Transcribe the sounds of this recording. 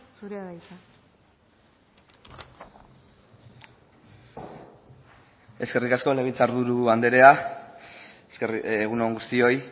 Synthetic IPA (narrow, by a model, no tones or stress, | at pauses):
suɾeaɣajt̪a | e̞ske̞rikasko̞neβit͡saɾðuɾuand̪e̞ɾe̞a | seɣ̞unoŋɡust̪io̞j